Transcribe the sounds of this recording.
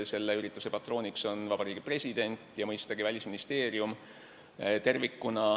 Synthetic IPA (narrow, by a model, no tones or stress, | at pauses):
se̞lːeyɾit̪ːˑu̥se̞pɑt̪ːˑro̞ːnʲikso̞nvɑb̥ɑɾiːɡ̥ipre̞sʲid̪̥e̞nʲt̪ˑjɑmɤjst̪ɑɡivælʲisminist̪e̞ːɾium | t̪e̞rvikːunɑ